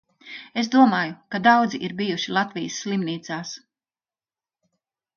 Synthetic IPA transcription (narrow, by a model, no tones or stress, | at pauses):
es̬d̪uɔmaːjukad̪awd̪ziʔiɾbijuʃilˠat̪vijəsːlˠimniːt̪saːs